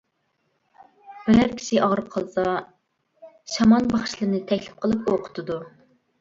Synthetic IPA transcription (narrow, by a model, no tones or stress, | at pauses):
bɦæɾkʲʰi̥ʃiʔɑʁɾɨp̚qʰɑlˠɨsɑ | ʃɑmɑnbɑχʃlˠɨɾnɨt̪ʰɛkʲlɪp̚qʰəlˠɨpoqʰʊ̥t̪ʰɨd̪u